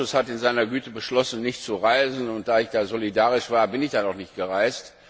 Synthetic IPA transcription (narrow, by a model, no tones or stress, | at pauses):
ʊshatɪnzaɪnɐɡyːtəbəʃlɔsn̩nɪçtt͡suʁaɪzn̩ʊnt̚d̥aːɪçd̥aːzolidaːʁɪʃv̥aːɐbɪnɪçd̥aːdɔχnɪçt̚ɡ̥əʁaɪst